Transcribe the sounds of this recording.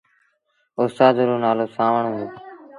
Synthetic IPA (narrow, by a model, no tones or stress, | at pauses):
ostaːzəɾuːnaːloːsaːʋəɳũː